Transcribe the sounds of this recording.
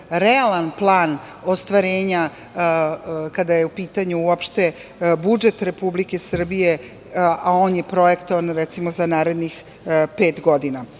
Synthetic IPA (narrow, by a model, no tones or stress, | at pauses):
ɾealˠanplˠaːn | ost̪ʋaɾe̞ːɲa | kad̪ajeupiːt̪aɲuuopʃt̪ebud͡ʒe̞t̪ɾe̞publike̞sr̩bije̞ | ao̞ːnjepɾo̞jekt̪oanɾɛt̪simo̞zanaːɾe̞d̪nix | pe̞ːt̪ɡo̞d̪ina